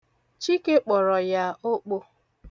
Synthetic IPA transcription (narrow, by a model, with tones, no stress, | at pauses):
t͡ʃi˦ke˦k͡pɔ˨ɾɔ˨ja˦o˦k͡po˦